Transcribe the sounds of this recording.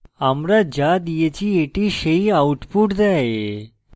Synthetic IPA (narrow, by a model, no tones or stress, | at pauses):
amɾad͡ʑad̪ijet͡ɕieʈiʃeiauʈpuʈd͡zae